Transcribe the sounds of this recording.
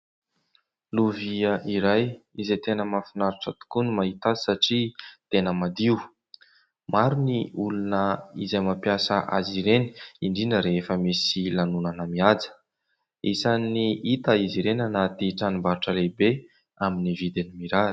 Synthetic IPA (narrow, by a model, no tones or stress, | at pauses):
luviəʔiɾaj | izet̪enəmafinaɾuʈ͡ʂət̪u̥kunimaɦit̪asaʈ͡ʂit̪enəmad̪iu | maɾuniulunəizajmapjasəʔa̰ziɾeni̥iɳɖ͡ʐinəɾeefəmisilanunanəmiad͡zə̥ | isaniit̪aiziɾenanat̪iʈ͡ʂanimbaɾʈ͡ʂəlebe | aminivid̪enimiɾa